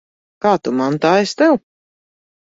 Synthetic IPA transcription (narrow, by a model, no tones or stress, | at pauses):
kaːt̪umant̪aːɛst̪ɛw